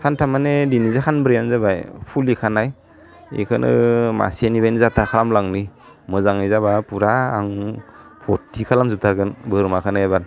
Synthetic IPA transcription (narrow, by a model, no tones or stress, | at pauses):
kʰantʰamanedinizakʰanbɯɾijanzabajpʰulikʰanaj | ḭkʰɯnʔɯ̰ma̰sianibajnizatʰakʰalamlaŋni | mɯzaŋizabapuɾaːŋpʰɔtʰːikʰalamzup̚tʰaɾɡɯnbɯɾmakʰanajaban